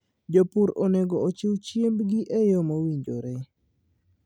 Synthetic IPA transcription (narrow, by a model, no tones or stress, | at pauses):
d͡ʒopuɾoneɡɔːt͡ʃɪwt͡ʃjembɡiʔejomowiɲd͡ʒo̰ɾe